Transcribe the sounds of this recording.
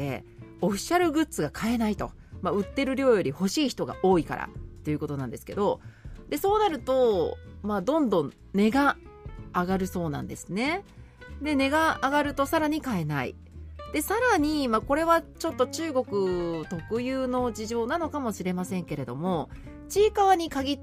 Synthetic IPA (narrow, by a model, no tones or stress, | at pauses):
e̞̰ | oɸʲi̥ɕaɾɯ̟ɡɯ̟t͡sɨɡakʰae̞nait̪o̞ | maɯ̟t̪ːe̞ɾɯ̟ɾʲo̞ːjo̞ɾʲiho̞ɕiːçi̥t̪o̞ɡa̰ʔo̞ːika̰ɾa̰t̪ːe̞jɯ̟ko̞t̪o̞nãnd̪e̞sɨ̥ke̞d̪o̞d̪̥e̞so̞ːnaɾɯ̟t̪o̞maːd̪õ̞nd̪õ̞n | ne̞ɡaː | ɡaɾɯ̟so̞ːnã̰nd̪e̞sɨne̞ | d̪e̞ne̞ɡaːɡaɾɯ̟t̪o̞saɾaɲ̟ikae̞naḭ | d̪̥e̞saɾaɲ̟imako̞ɾe̞β̞at͡ɕo̞t̪ːo̞t͡ɕɨːɡo̞kɯ̟t̪o̞kɯ̟jɯːno̞d͡ʑiʑo̞ːnano̞kamo̞ɕiɾe̞masẽ̞ŋke̞ɾe̞d̪o̞mo̞ | t͡ɕiːkaβaɲ̟ikaɡʲi